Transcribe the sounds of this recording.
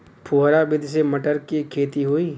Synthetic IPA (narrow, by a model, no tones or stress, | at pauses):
pʰuɦɾabʱɪd̪ʱsemɐʈəɾkikʰeːt̪iɦoːiː